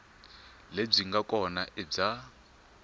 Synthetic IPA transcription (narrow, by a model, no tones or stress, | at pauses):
leb͡ʐiŋɡakʼɔnaʔɛb͡ʐa